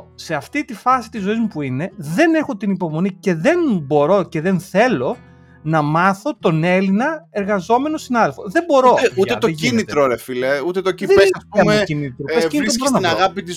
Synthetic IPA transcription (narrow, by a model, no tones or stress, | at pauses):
se̞ɐft̪it̪ifɐsi̥t̪izo̞izmupuine̞ðe̞ne̞xo̞t̪inipo̞mo̞nice̞ðe̞nbo̞ɾo̞ce̞ðe̞nθe̞lo̞ | nɐmɐθo̞t̪o̞ne̞linɐe̞ɾɣɐzo̞me̞no̞sinɐðelfo̞ðe̞bo̞ɾo̞euet̪oinit̪ɾoɾefileut̪et̪ociesɐspuɐmecinit̪ɾusiiɾɾonɐinɐɣɐpit̪is